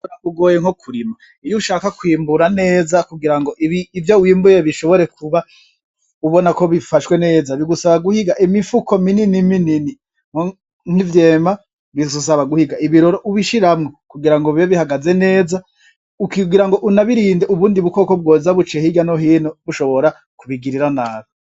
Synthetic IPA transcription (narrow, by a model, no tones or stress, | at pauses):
auɡoːjeŋ̥hokʰuɾima | ijuʃaːkakwiːmbuɾane̞ːzakuɡiɾaŋɡo̞ʔiβiːvjowiːmbujeβiʃo̞βo̞ɾe̞kʰuβa | uβonako̞βifaʃwe̞ne̞ːzaβiɡusaβaɡuhiɡaʔimifuko̞mininiminini | ŋ̥o | ŋ̥ivje̞ːma | βizus̬aβaɡuhiɡaiβiɾoɾoʔuβiʃiɾamŋokuɡiɾaŋɡoβjoβihaɡaze̞ne̞ːza | ukiɡiɾaŋɡo̞ʔunaβiɾiːndeuβuːndiβuko̞kob̚ɡozaβut͡ʃehiɡanoɦiːnoβuʃo̞βo̞ɾa | kuβiɡiɾiɾanaːβo